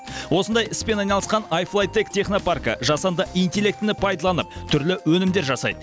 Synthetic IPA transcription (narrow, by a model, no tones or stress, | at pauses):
wo̞sənd̪ɑjɪspe̞nɑjnɑlˠəsqɑnajflˠajt̪e̞kt̪ʲʰe̞χno̞parkə̰ʒɑsɑnd̪əʔint̪ʲe̞lʲe̞k̚t̪ɪnɪpʰɑjd̪ɑlˠɑnəp̚t̪ʰʏɾlɪwɵnɪmd̪e̞ɾʒɑsɑ̰jd̪ə